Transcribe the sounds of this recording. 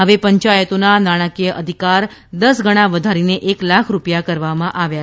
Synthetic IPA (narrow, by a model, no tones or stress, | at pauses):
ɦəʋepəɲt͡ʃajət̪onanaɽ̃akijəʔəd̪ʱikaɾ | d̪əsɡʱəɽ̃ãʋəd̪ʱaɾineʔeklakʰɾupjakəɾʋamãʔaʋja